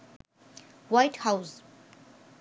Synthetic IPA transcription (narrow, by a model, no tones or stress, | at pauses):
wajtʰhaws